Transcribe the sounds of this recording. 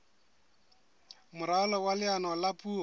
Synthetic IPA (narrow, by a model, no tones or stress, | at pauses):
mʊɾalɔwalɪanɔlapʼuː